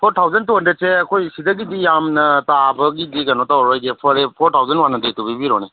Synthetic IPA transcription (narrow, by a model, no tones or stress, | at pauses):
pʰoɾtʰawzɐntondeseɐkʰojsidɐɡidijamnɐtabɐɡidikanotawɾojɡepʰɔɾepʰoɾtʰawzɐnwanːɐdetobibiɾone